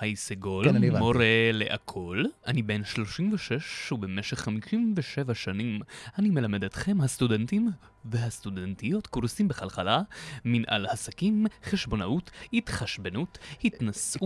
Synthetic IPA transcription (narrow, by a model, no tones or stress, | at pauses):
hajseɡolmoɾeleʔakʰo̞lʔanibe̞nʃlo̞ʃimveʃeʃubemeʃe̞χːamiʃimveʃevaʃanimʔanime̞lamedetχe̞mhastudentim | veɦast̪udentijo̞tkuʁsimbeχalχalaminʔa̰lhasakimχeʃbo̞naʔuthitχaʃbenuthitnasʔu